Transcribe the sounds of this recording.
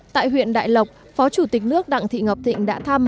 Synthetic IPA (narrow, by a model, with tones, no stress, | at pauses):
t̪a̰ː˧˨jɦwḭ˧˨ənɗa̰ː˧˨jlə˨˩wk͡p̚ | fɔ˨˦t͡ɕu˧˩t̪i˨˩k̟̚nɨ˦˥ək̚ɗa̰˧˨ŋt̪ʰḭ˧˨ŋə˨˩p̚t̪ʰḭ̈˧˨ŋ̟ɗa̰ː˧˥t̪ʰaː˧m